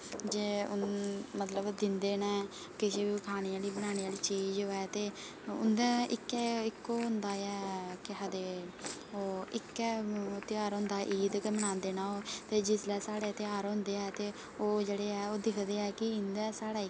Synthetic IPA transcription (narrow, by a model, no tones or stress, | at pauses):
d͡ʒeːʊnmət̪ləbd̪ɪnd̪eːnɛː | kɪʃeːbikʰaːñiːjaːliːbəɽ̃aːñiːaːliːt͡ʃiːd͡ʒoːɛːt̪eː | ʊ̰nd̪ɛːɪkːɛːɪkːoːɦʊnd̪aːɛːkɪɦəd̪eːoːɪkːɛːt̪eaːɾɦʊ̃nd̪aːʔiːd̪kemənãːnd̪eːnãːoːt̪eːd͡ʒɪslɛːsaːɽeːt̪eaːɾɦʊ̃nd̪eːɛːt̪eː | oːd͡ʒeːɽeːɛːoːd̪ɪkʰd̪eːɛːkɪɪnd̪ɛːsaːɽaːɪ